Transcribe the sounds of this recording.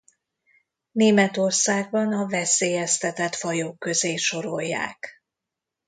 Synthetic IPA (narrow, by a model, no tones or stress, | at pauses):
neːmɛt̪o̞rsaːɡ̚bɒnɒvɛseːjɛst̪ɛt̪ɛt̪fɒjoːkːø̞zeːʃo̞ɾo̞jːa̰ːk